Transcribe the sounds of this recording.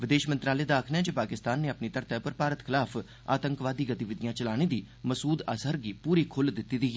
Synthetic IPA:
ʋɪd̪eːʃmə̃nt̪ɾaːleːd̪aːkʰnɛ̃ːd͡ʒepaːkɪst̪aːnːeːəpniːt̪əɾt̪ɛːpəɾpaːɾət̪kʰɪlaːpʰ | a̰ːt̪əŋkʋaːd̪iːɡət̪iʋɪd̪ɪjãːt͡ʃəlaːɽ̃iːd̪iː | məsuːd̪a̰ːsəɾɡiːpuːɾiːkʰʊld̪ɪt̪ːiːd̪iː

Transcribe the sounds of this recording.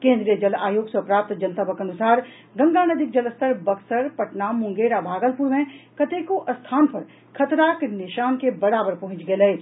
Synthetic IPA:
kẽːnd̪ɾijəd͡ʒɐlaːjoːɡsopɾaːp̚t̪d͡ʒɐnt̪abəkɐnʊsaːɾ | ɡɐ̃ŋɡaːnɐd̪ɪk̚d͡ʒɐləst̪ʰəɾbɐksəɾpɐʈnamʊ̃ŋɡeːɾabʱaːɡəlpʊɾmẽkɐt̪eːkoʔɐst̪ʰaːnpɐɾ | kʰɐt̪ɾaːknɪʃaːnkebɐɽaːbəɾpɐɦʊ̃nt͡ʃɡɐelɐeː

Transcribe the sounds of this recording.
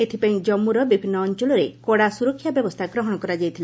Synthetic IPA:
et̪ʰipaĩd͡ʒɔmːuɾɔbibʱinːɔːnt͡ʃɔlɔɾekoɽasuɾɔkʰːjabjɔbɔst̪ʰaɡɾɔɦɔɽ̃ɔkɔɾad͡ʒajt̪ʰile

